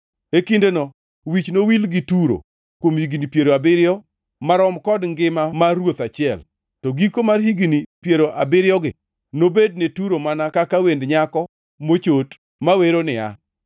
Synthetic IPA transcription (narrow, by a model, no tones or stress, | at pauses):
ekindenɔ | wit͡ʃnowilɡɪtuɾo̰ | kwomhiɡinipjeɾoabɪɾjɔ | maɾɔmkɔdŋɡɪmamarwot̪at͡ʃɪɛl | tɔɡikomarhiɡinipjeɾoʔabɪɾjɔɡɪ | nobed̚netuɾomanakakawendɲakɔ | mot͡ʃot | maweɾonɪa̰